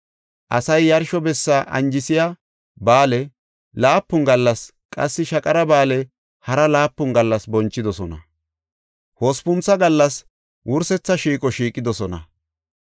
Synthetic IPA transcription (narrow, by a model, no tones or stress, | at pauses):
ʔɐ̰sɐjːɐɾʃɔbɛsːaʔɐ̰nd͡ʒɪsɪja | baːlɛ | laːpːʊŋɡɐlːɐs | kʼɐ̰sːɪʃɐkʼɐɾɐbaːlɛ | hɐɾɐlaːpːʊŋɡɐlːɐsbɔnt͡ʃːɪd̪ɔsɔnɐ̰ | hoːspʊnt͡sːɐɡɐlːɐs | wʔʊɾsɛt͡sːɐʃiːkʼɔʃiːkʼːɪd̪ɔsɔnɐ̰